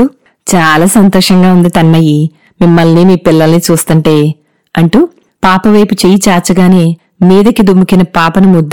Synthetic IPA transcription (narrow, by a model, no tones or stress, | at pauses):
u | t͡ʃaːlaːsɐnt̪ɔːʂɐŋɡaːund̪it̪ɐnmɐji | mimːɐlniːmiːpilːɐlɐnit͡ʃuːst̪uɳʈeː | ɐɳʈu | paːpɐʋɐjput͡ʃejit͡ʃaːt͡ʃːɐɡaːne̞ː | miːd̪ɐkid̪umukinɐpaːpɐnumud̪ː